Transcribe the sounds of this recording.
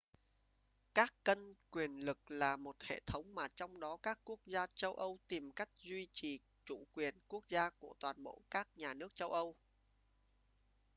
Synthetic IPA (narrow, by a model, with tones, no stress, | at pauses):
kaː˦˥kːə˧nkwi˨˩ənlɨ˨˩k̚laː˨˩mo˨˩t̚hḛ˧˨t̪ʰə˨˦wŋ͡mmaː˨˩t͡ɕɔ˧wŋ͡mɗɔ˨˦kaː˦˥kːu˦˥ək̚zaː˧t͡ɕə˧wʔə˧wt̪i˨˩mka˦˥jk̟̚zwi˧t͡ɕi˨˩ | t͡ɕṵ˧˩kwi˨˩ənku˦˥ək̚zaː˧ku˧˩ət̪waː˨˩nɓo̰˧˨kaː˦˥k̚ɲaː˨˩nɨ˦˥ək̚t͡ɕə˧wʔə˧w